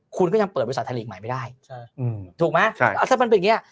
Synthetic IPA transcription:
kʰu˧nkɔ˥˩ja˧ŋpəɤː˨˩t̪̚wst̪ʰa˧i˧˨˩kmaː˨˦ma˥˩jdaː˥˩jʰ | t̪ʰuː˨˩k̚ma˦˥a˧˥˩t̪ʰaː˥˩ma˧npe˧nja˨˩

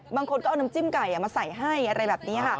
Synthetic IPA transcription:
baː˧ŋkʰo˧nkːʔna˧˦mt͡ɕi˥˩mka˨˩ja˨˩maː˧sa˨˩jɦa˥˩jʔa˧ɾa˧jbɛː˨˩p̚niː˦˥˧kʰa˥˩

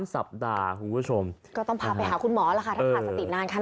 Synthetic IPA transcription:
nsa̰˨˩p̚daː˧kʰu˨˩npʰu˦˥˩t͡ɕʰo˧mkɔː˥˩t̪ɔ˥˩ŋpʰaː˧˩a˧jɦaː˩˦kʰu˧nmɔː˩˦laː˧˩kʰa˥˩a˥ɤː˩˧aː˧˩t̪̚ːt͡ɕa˨˩t̪i˨˩t̪̚naː˧nkʰaː˥˩

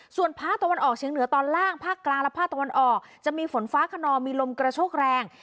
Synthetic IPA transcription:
su˨˩ənpʰaː˥˩k̚t̪a˧wa˧nʔɔː˨˩k̚t͡ɕʰi˩˦ŋnɯ˨˩˦ɐt̪ɔː˧nlaː˥˩ŋpʰaː˥˩klaː˧ŋlɛ˦˥pʰaː˥˩k̚t̪wa˧nʔɔː˨˩k̚t͡ɕa˨˩miː˧fo˩˦nfaː˦˥kʰa˧nɔː˧mːiː˧lo˧mkɾa˧t͡ɕʰoː˥˩k̚ɾɛː˧ŋ

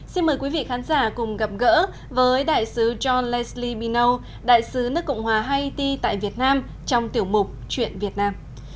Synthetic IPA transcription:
si˧nməː˨˩jkwi˨˦vḭ˧˨xaː˨˦nzaː˧˩kʊ˨˩ŋ͡mɣə˨˩p̚ɣə̰ː˧˥ | vəː˨˦jɗa̰ː˧˨jsɨ˨˦t͡ɕɔ˧nlɛ˧˥sli˧ɓi˧nə˧w | ɗa̰ː˧˨jsɨ˨˦nɨ˦˥əkːɔ̰˧˨wŋ͡mhwaː˨˩ɦa˧jt̪i˧t̪a̰ː˧˨jvi˨˩ət̚naː˧m | t͡ɕɔ˧wŋ͡mt̪i˧˩əwmʊ˨˩k͡p̚t͡ɕwḭ˧˨ənvi˨˩ət̚naː˧m

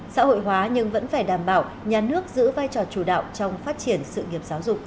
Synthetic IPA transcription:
sa̰ː˧˥ho̰˧˨jɦwaː˨˦ɲɨ˧ŋvə̰˧˥nfaː˧˩jɗaː˧˩mɓaː˧˩w | ɲaː˨˩nɨ˦˥ək̚zɨ̰˧˥vaː˧jt͡ɕɔ˨˩t͡ɕu˧˩ɗa̰ː˧˨wt͡ɕɔ˧wŋ͡mfaː˦˥t̚t͡ɕi˧˩ənsɨ̰˧˨ŋi˨˩əp̚zaː˨˦wzʊ˨˩k͡pk͡p̚

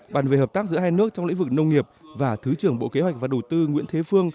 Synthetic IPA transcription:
ɓaː˨˩nve˨˩həː˨˩p̚t̪aː˦˥k̚zɨ̰˧˥əɦaː˧jnɨ˦˥ək̚t͡ɕɔ˧ŋ͡mlḭ˧˥ŋ̟vɨ˨˩k̚nə˧wŋ͡mŋi˨˩əp̚vaː˨˩t̪ʰɨ˨˦t͡ɕɨ˧˩əŋɓo̰˧˨ke˨˦ɦwa˨˩jk̚vaː˨˩ɗə˨˩wt̪ɨ˧ŋwḭ˧˥ənt̪ʰe˨˦fɨ˧əŋ

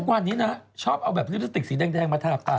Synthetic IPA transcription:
k̚waː˧nːiː˦˥na˦˥t͡ɕʰɔː˥˩p̚ʔa˧wbɛː˨˩juː˦˥˩ɾʰi˦˧t̪i˨˩siː˩˦dɛː˧ŋdɛː˧ŋmaː˧t̪ʰaː˧˩p̚t̪aː˨˩

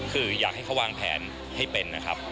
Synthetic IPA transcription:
kʰɯː˧jaː˨˩k̚ha˥˩jkʰa˦˥waː˧ŋpʰɛ̰ː˩˦n | ha˥˩jpe˧nːa˦kʰɾa˦˥p̚

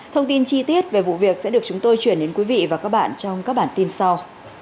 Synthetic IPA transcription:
t̪ʰə˧wŋ͡mt̪i˧nt͡ɕi˧t̪i˦˥ət̚ve˨˩vṵ˧˨vi˨˩ək̚sɛ̰˧˥ɗɨ˨˩ək̚t͡ɕʊ˨˦ŋ͡mt̪o˧jt͡ɕwi˧˩ənɗe˨˦nkwi˨˦vḭ˧˨vaː˨˩kaː˦˥k̚ɓa̰ː˧˨nt͡ɕɔ˧wŋ͡mkaː˦˥k̚ɓaː˧˩nt̪i˧nsa˧w

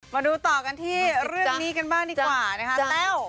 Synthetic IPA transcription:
maː˧duː˧t̪ɔː˨˩ka˧nt̪ʰiː˥˩ɾɯ˥˩əa˨˩kniː˦˥ka˧nbaː˥˩ŋdiː˦˧˩a˨waː˨˩na˦˥kʰa˦˥lɛː˦˥˩w

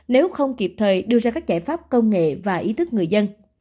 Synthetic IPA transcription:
ne˨˦wxə˧wŋ͡mki˨˩p̚t̪ʰəː˨˩jɗɨ˧əzaː˧kaː˦˥k̚t͡ɕaː˧˩jfaː˦˥p̚kə˧wŋ͡mŋḛ˧˨vaː˨˩ʔi˨˦t̪ʰɨ˦˥k̚ŋɨ˨˩əjzə˧n

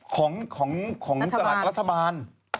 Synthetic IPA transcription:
kʰɔː˩˦ŋkʰɔː˩˦ŋkʰɔː˩˦ŋsa˧la˨˩ɾa˦˥t̪ʰːa˧baː˧n

